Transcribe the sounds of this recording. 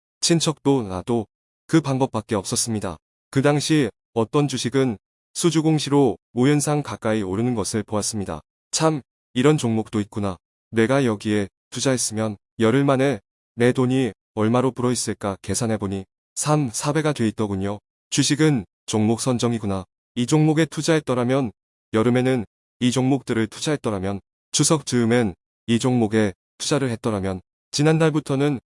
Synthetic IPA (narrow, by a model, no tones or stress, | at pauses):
t͡ɕʰint͡ɕʰʌk̚t͈onado | kɯpaŋbʌp̚p͈ak̚k͈e̞ʌp̚s͈ʌs͈ɯmɲida̰ | kɯdaŋɕʰi | ʌt͈ʌnd͡ʑuɕʰiɡɯn | sʰud͡ʑuɡoŋɕʰiɾomojʌnsʰaŋkak͈aioɾɯnɯnɡʌsʰɯɭpoas͈ɯmɲida̰ | t͡ɕʰam | iɾʌnt͡ɕoŋmok̚t͈oit̚k͈una | ne̞ɡajʌɡie̞ | tud͡ʑaɦes͈ɯmjʌn | jʌɾɯɭmane | ne̞doɲi | ʌɭmaɾopuɾʌis͈ek͈ake̞sʰanɦe̞boɲi | sʰamsʰabe̞ɡadwe̞it̚t͈ʌɡuɲio | t͡ɕɥiɕʰiɡɯn | t͡ɕoŋmok̚s͈ʰʌnd͡ʑʌŋiɡuna | id͡ʑoŋmoɡe̞tʰud͡ʑaɦe̞t̚t͈ʌɾamjʌn | jʌɾɯme̞nɯn | id͡ʑoŋmok̚t͈ɯɾɯɭtʰud͡ʑaɦe̞t̚t͈ʌɾamjʌn | t͡ɕʰusʰʌk̚t͡ɕ͈ɯɯmen | id͡ʑoŋmoɡe̞ | tʰud͡ʑaɾɯɭɦe̞t̚t͈ʌɾamjʌn | t͡ɕinandaɭbutʰʌnɯn